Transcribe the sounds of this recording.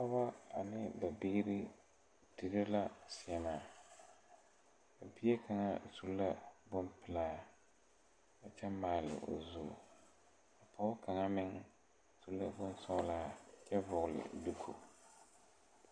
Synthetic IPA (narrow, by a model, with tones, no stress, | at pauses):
a˦ba˦a˨nɪ˦ba˨bɪ˦ɾɪ˦ | di˨ɾɪ˦la˦si˨ɛ˨maː˨ | a˨bi˦e˦ka˨ŋa˦tu˦lːa˦bʊ˦mpɪ˨laː˦ | a˨t͡ʃɛ˦maː˨˦˨lɪ̰˨ʔo̰˨zuː˦˨ | a˨pɔ˦ka˨ŋa˦mɪ˦ŋ | tu˦lːa˦bʊ˦nsɔ˦laː˦˨t͡ʃɛ˦vʊ˨ɣʊ˨lɪ̰˨du˦kʰṵ˨